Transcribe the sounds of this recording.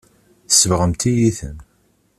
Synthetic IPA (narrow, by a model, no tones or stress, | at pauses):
θsəvʁəmt̪ijiθə̰n